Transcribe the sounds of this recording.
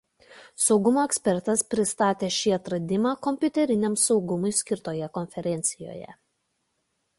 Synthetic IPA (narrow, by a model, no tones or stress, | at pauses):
sɒʊɡʊmoːɛksʲpʲɛɾt̪ɐspʲɾʲɪst̪ɑːt̪ʲeːʃʲiːɐt̪ɾɐd̪ʲɪmɑːkɔmʲpʲʊt̪ʲɛɾʲɪnʲɛmsɒʊɡʊmʊɪsʲkʲɪɾt̪oːjɛkɔnʲfʲɛɾʲɛnʲt̪sʲɪjo̰ːjɛ̰